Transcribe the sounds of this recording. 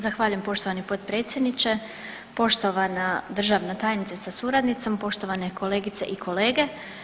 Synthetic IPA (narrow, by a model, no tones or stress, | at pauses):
zaxʋaːʎuje̞mpo̞ʃt̪oʋanipo̞d̪pɾe̞ːt̪sjed̪nit͡ʃe̞ | po̞ʃt̪oʋanad̪r̩ʒaːʋnat̪aːjnit̪sesasuɾad̪nit̪sompo̞ʃt̪o̞ʋaneko̞le̞ːɡit̪sḛʔikʰo̞le̞ːɡe̞